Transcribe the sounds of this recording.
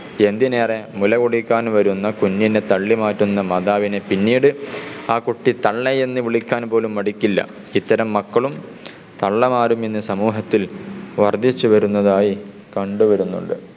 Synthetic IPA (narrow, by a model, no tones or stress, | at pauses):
e̞nd̪ine̞ːre̞mulɐɣuɽikʲːaːnʋɐɾunːɐkunːjinet̪ɐɭːimaːtːunːɐmɐd̪aːʋine̞pinːiːɽɨaːkuʈːit̪ɐɭːeje̞nːɨʋiɭikʲːaːnpo̞ːlumːɐɽikʲːilːɐ̰ | it̪ːɐɾɐmːɐkːɐɭum | t̪ɐɭːɐmaːɾumenːɨsɐmuːɦɐt̪ːilʋɐrd̪ʱit͡ɕːuʋɐɾunːɐðaːji | kɐɳɖɨʋɐɾunːṵɳɖɨ̰